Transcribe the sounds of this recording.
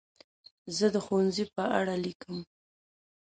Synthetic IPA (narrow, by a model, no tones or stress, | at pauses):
zəd̪əxwanzipəʔaɽalikəm